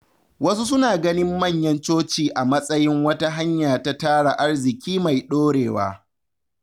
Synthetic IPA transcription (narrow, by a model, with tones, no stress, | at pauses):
wɐ˦su˦s̬ʊ˦naː˨ɡɐ˦nɪ˦mːɐ˦˨ɲjɐ˦nt͡ʃoː˦t͡ʃiː˨ʔa˨mɐ˦sʼɐ˦jɪ˦ŋwɐ˦ta˦ɦa˦ɲjaː˨ta˦taː˦ɽa˨ʔa˦rzɪ˨kʲiː˦ma˨jɗoː˦ɽeː˨wa̰ː˦